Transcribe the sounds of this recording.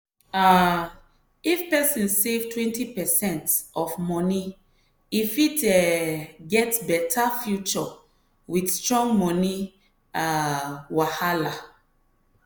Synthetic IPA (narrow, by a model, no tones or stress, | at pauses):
a | ifpɛsĩnsevtwɛ̃ntipɛsɛ̃ntɔfmɔni | ifitɛɡɛtbɛtʰafjut͡ʃɔ | widstɹɔ̃ŋɡmɔni | awahala